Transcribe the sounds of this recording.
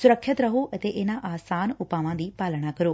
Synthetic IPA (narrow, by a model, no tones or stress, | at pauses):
sʊɾəkʰːət̪ɾəɦoʔət̪eʔeːnãʔaːsaːnʊpaːʋãːd̪iːpaːlɽ̃akəɾoː